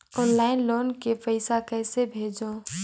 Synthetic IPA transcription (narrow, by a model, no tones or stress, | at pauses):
ɔːnlaːɪnloːnkepəɪsakɛːsebʱeːd͡ʒõ